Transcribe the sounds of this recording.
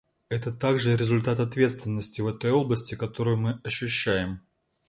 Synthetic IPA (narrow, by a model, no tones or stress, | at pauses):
ɛt̪ət̪aɡʐɨɾʲɪzʊlʲt̪at̪ɐt̪vʲe̞t̪st̪vʲɪnːəsʲtʲɪvɛt̪o̞jo̞blˠəsʲtʲɪkɐt̪o̞ɾʊjʊmɨɐɕːʉɕːæjɪm